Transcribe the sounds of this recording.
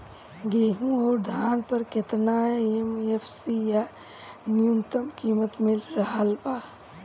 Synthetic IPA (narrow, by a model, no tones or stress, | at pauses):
ɡeːɦũoːɾd̪ʱaːnpəɾkɪt̪naːeemefsija | nɪjunt̪əmkiːmət̪mɪlɾɐɦalbaː